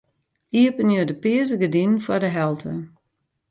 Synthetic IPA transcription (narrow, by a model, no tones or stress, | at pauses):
iəpənjodəpɪəzəɡədinfwɔdəɦɛlˠtʰə